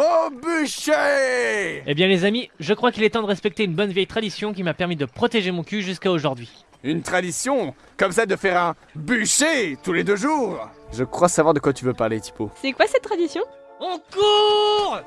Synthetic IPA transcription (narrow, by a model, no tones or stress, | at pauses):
obyʃe | ebjɛ̃lezamiʒəkχwakilɛt̪ɑ̃d̪əʁɛspɛk̚t̪eynbɔnvjɛjt̪χad̪isjɔ̃kʲimapɛʁmid̪əpχɔt̪eʒemɔ̃kʲyʒyskaoʒuʁd̪ɥi | ynt̪χad̪isjɔ̃ | kɔmsɛd̪əfɛʁɛ̃ | byʃet̪uled̪øʒuːʁʒəkχwasavwaʁd̪əkwat̪yvøpaʁlet̪i̥posɛkwasɛt̪ːχad̪isjɔ̃ | ɑ̃kuʁ